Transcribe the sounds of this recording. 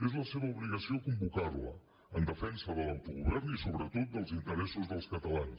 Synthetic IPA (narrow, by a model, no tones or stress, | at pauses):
ezləseβəuβliɣəsiokumbukaβlə̰ | ənd̪əfɛnsəðələwt̪uɣuβɛɾmisoβɾət̪ot̪̚d̪əlˠzint̪əɾɛsuzðəlˠskət̪əlans